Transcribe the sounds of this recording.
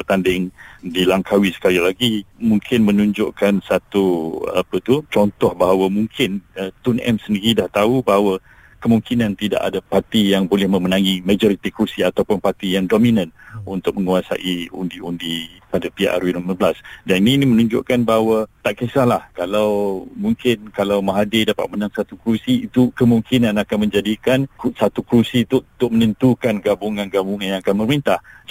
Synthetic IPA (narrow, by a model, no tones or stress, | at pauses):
ət̪andɪŋdilaŋkʰawisə̥kalilaɡimuŋkʰɪnmənuɲd͡ʒʊʔkansat̪ua̰pət̪ut͡ʃɔnt̪ɔhbaɦawamuŋkʰɪnət̪unʔɛ̰msəndiɾidaht̪aubaɦawə | kəmuŋkinãnt̪ida̰ʔa̰dapat̪ijaŋbolɛhmə̃mənaŋimãd͡ʒɔɾit̪ikɾusiat̪awpʊnpart̪ijaŋdominãnunt̪ʊk̚məŋuasa̰ʔiṵndiundipadapiʔa̰ɾwunomabəlasdanininimənuɲd͡ʒʊ̰ʔkanbaɦwat̪aʔkesahlahkalawmuŋkɪnkalawmaɦadedapa̰t̪̚mənaŋsat̪ukɾusiːt̪ukəmuŋkʰinanakanmə̃ɲd͡ʒadikansat̪ukɾusit̪uut̪ʊk̚mənə̃nt̪ukanɡabuŋãnɡabuŋãnjãŋakanmərmint̪ah